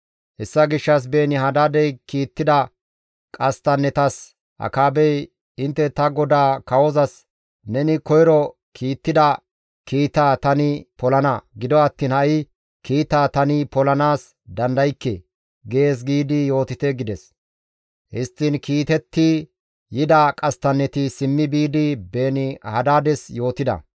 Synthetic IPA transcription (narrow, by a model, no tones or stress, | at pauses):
hɛsːɐɡɪʃːɐs̬beːnɪɦɐd̪aːd̪ɛjkiːt̪ːɪd̪ɐ | kʼɐst̪ɐnɛt̪ɐs | ʔɐ̰kaːbɛj | ɪnt̪ːɛt̪ɐɡɔd̪aːkɐwɔzɐs | nɛnɪkɔjɾɔ | kʰiːt̪ːɪd̪ɐ | kiːt̪aːt̪ɐnɪpɔlɐnɐɡɪd̪ɔɐt̪ːiːnhɐʔɪ | kiːt̪aːt̪ɐnɪpɔlɐnaːs | d̪ɐnd̪ɐjkːɛ̰ | ɡe̞ːs̬ɡiːd̪ɪjo̞ːt̪ɪt̪ɛɡɪd̪ɛs | hɪst̪ːiːnkiːt̪ɛt̪ːi | jɪd̪akʼɐst̪ɐnːɛt̪ɪsɪmːɪbiːd̪ɪbe̞ːnɪhɐd̪aːd̪ɛsjo̞ːt̪ɪd̪ɐ̰